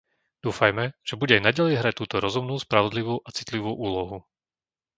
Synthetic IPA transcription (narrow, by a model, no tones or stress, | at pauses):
d̪̥uːfajmɛʒ̥ɛbuɟɛajnaɟalɛjɦɾac̚t̪uːt̪ɔɾɔzumnuːspɾaʋɔd̪liʋuːʔat͡sit̪liʋuːʔuːlɔɦu